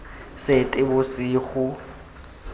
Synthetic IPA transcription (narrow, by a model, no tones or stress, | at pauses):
setʼɪbʊsiːɣʊ